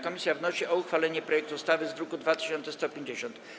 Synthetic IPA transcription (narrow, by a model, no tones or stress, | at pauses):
kɔmʲisʲjavnɔɕiʔɔuxfalɛɲɛpɾɔjɛk̚t̪ust̪avɘzɾukud̪vat̪ɘ̥ɕɔnt̪sɛst̪ɔpʲjeɲd͡ʑeɕɔnt̪